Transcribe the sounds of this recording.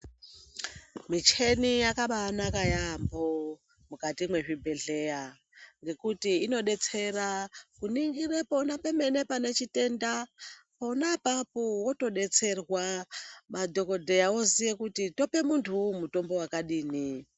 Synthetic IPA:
mit͡ʃʰenijakaɓanakajambo | mukatimwe̞ʐibʱe̞ɮeja | ŋɡe̞kutiːno̞ɗe̞t͡se̞rakuniŋɡirepo̞napeme̞ne̞pane̞t͡ʃite̞ndapo̞napapowoto̞ɗe̞t͡se̞rwamadʱo̞ko̞dʱe̞jaozijekutito̞pe̞muntʰumuto̞mbo̞wakaɗiːni

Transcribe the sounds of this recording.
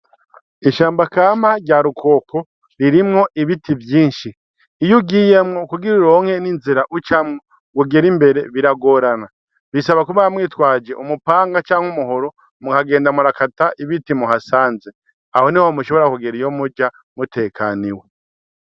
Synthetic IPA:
iʃaːmbakaːmaɾɟaːɾukʰo̞ːko̞ | ɾiɾimŋo̞ʔiβitʰivjiːnʃiː | juɡiːjemŋo̞kuɡiɾiɾoŋhe̞ninziɾaʔut͡ʃamŋo | ɡuɡeɾimbe̞ɾe̞βiɾaɡo̞ɾana | βisaβakuβaamŋiːtwaːd͡ʒe̞ʔumupaːŋɡat͡ʃaːŋhumuɦo̞ɾo | mukaɡe̞ːndamuɾakataʔiβitimuɦasaːnze | aho̞nihomuʃo̞βo̞ɾakuɡeɾijomud͡ʒa | mute̞ːkʰaniwe

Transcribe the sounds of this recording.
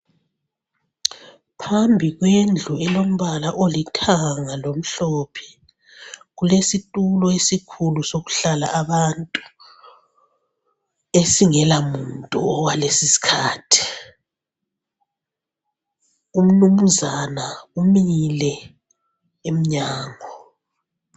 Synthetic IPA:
pʰambʱiɣwend͡ɮʱuɛlom̩βalaʔolitʰaŋalom̩ɬɔpʰɛ̥ | ɣulesitʼulɔesikʰulusoɣu̥ɬala̰ʔaβantʼu | esiŋɛlamuntʼṵɔwalesisi̥kʰaːtʰi̥ | um̩numuzanaumilɛ | em̩ɲaːŋɔ

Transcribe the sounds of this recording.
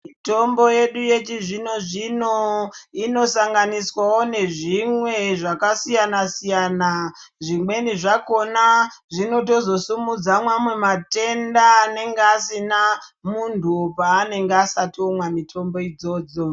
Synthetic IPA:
mito̞mbo̞je̞ɗuje̞t͡ʃiʐino̞ʐinoino̞saŋɡaniswawo̞ne̞ʐimwe̞ʐakasijanasijaːna | ʐimwe̞niʐako̞naʐino̞to̞zo̞sumud͡zamwamwe̞mate̞ndane̞ŋɡeasinamuntupaːne̞ŋɡeasatomwamitʰo̞mbo̞id͡zo̞ːd͡zo

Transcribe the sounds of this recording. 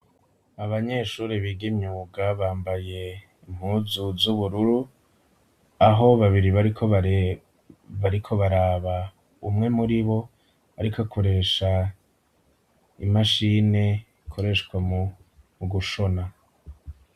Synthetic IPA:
aβaɲeʃuːɾiβiːɡimɲuːɡaβaːmbaje̞ | im̥huːzuzuβuɾuɾu | aɦo̞βaβiɾiβaɾikʰo̞βa | βaɾikʰo̞βaɾaːβa | ṵmŋe̞muɾiβo̞ | aɾikakʰoɾe̞ːʃa | ḭmaʃine̞ | ikʰo̞ɾe̞ʃkwamu | ɡuʃo̞na

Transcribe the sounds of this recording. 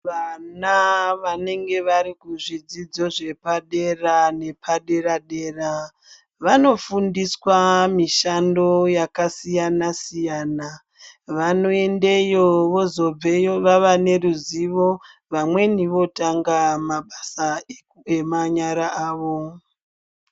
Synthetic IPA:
ʋanaʋane̞ŋɡe̞ʋaɾikuʐid͡zid͡zo̞ʐe̞paɗe̞rane̞pʰaɗe̞ɾaɗe̞ːra | ʋano̞fundiswamiʃando̞jakasijanasijaːna | ʋano̞e̞nde̞jo̞ʋo̞zo̞b͡ve̞joʋaʋane̞ruziʋo̞ʋamwe̞niʋo̞taŋɡamaɓasa | emaɲaɾaʔaːʋo̞

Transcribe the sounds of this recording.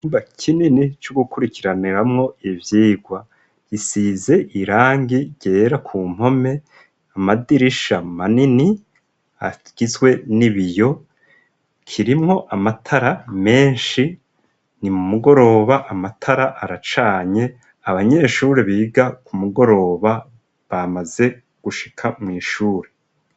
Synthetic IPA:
mbakʰininit͡ʃuɡukuɾikʰiɾaniɾamŋo̞ivjiːɡwa | ɡisize̞ʔiɾaːŋɡiɟe̞ːɾakʰuːm̥ho̞me̞ | amadiɾiʃamanini | a̰ | ɡ̥izɡwe̞niβijo̞ | kʰiɾimŋo̞ʔamatʰaɾame̞ːnʃi | nimumuɡo̞ɾo̞ːβaʔamatʰaɾaʔaɾat͡ʃaːɲe̞ | aβaɲe̞ʃuːɾeβiːɡakumuɡo̞ɾo̞ːβa | βamaze̞ | ɡ̥uʃi̥kʰamŋiːʃuːɾe̞

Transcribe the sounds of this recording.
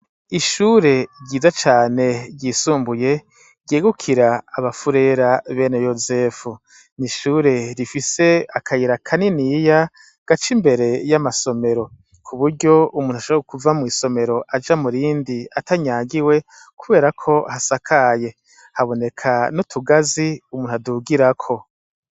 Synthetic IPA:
iʃuːɾe̞ɾɟiːzat͡ʃaːne̞ɾɟisuːmbuje̞ | ɾɟeːɡukʰiɾaaβafuɾe̞ɾaβe̞nejoze̞fu | niʃuːɾe̞ɾifise̞akʰajiɾakʰaniniːja | ɡ̥at͡ʃimbe̞ɾe̞jamaso̞me̞ɾo̞ | kʰuβuɾɟo̞umuːnuhaʃoβekuvamŋiːso̞me̞ɾo̞ʔad͡ʒamuɾiːndiatʰaɲaːɡiwe̞ | kʰuβe̞ːɾakʰo̞hasakʰaje̞ | haβo̞ne̞kʰanutʰuɡaziumuːnuaduɡiɾakʰo̞

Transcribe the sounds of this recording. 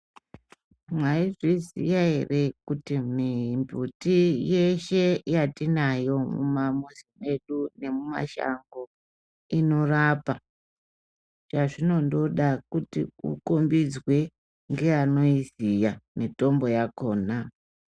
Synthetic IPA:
mwaiʐizḭjaɦe̞̰re̞kutimimbutije̞ʃe̞jatinajo̞mumamuzime̞ɗune̞muma̰ʃa̰ŋɡo̞ | ino̞rapa | t͡ʃaʐino̞ndo̞ɗakutḭṵkombid͡zwe̞ | ŋɡe̞ano̞izijamito̞mbo̞jako̞ːna

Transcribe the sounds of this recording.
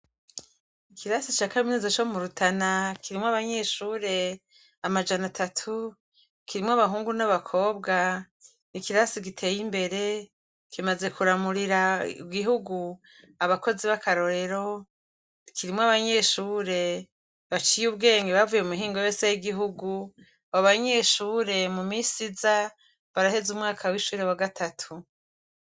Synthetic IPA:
ikʰiɾasit͡ʃakaminizot͡ʃo̞muɾutʰanakʰiɾimŋoaβaɲe̞ʃuːɾe̞ | amad͡ʒanatʰatʰu | kiɾimwaβaɦuːŋɡunaβakʰo̞ːbɡa | nikiɾasik̬itʰe̞ːjimbe̞ɾe̞ | kʰimaze̞kuɾamuɾiɾaibɡiɦuɡu | aβako̞ziβakaɾo̞ɾe̞ɾo̞ | kiɾimoaβaɲe̞ʃuːɾe̞ | βat͡ʃijuβɡe̞ːŋɡeβavujeumuɦiːŋɡo̞joːsejiɡiɦuɡu | aβoβaɲe̞ʃuːɾe̞mumisiza | βaɾahe̞zumŋaːkʰawiʃuːɾe̞waɡatʰatʰu

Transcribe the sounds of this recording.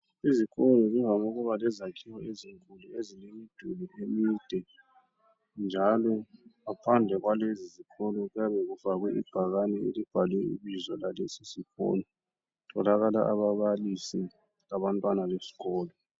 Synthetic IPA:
iziɣʰɔlɔɣuŋaŋuɣuβalɛzakʰiwɔeziŋkʼuluezilemid̥ʱulɛʔemid̥ʱɛ | nd͡ʒʱalɔapʰand͡ɮʱɛɣwalezizikʰɔlɔɣujaβɛɣufaɣwɛib̥ʱaɣanɛelib̥ʱalwɛḭβizɔlalesisiɣɔ̰ːlɔ | tʰɔlaɣala̰ʔaβaβalisi | laβantʼwanalesi̥ɣɔːlɔ

